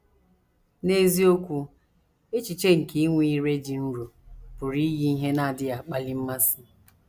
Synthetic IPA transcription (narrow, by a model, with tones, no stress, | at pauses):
ne˦zi˦o˦kʷu˦ | e˦t͡ʃi˨t͡ʃe˦ŋ̩˨ki˦i˦ŋʷi˦˨i˦ɾe˦d͡ʒi˨n̩˦ɾu˨pʊ˨ɾi˦ɣi˦i˦ɦe˦na˦a˨dɪ˦a˨k͡pa˦li˦m̩˦ma˦si˦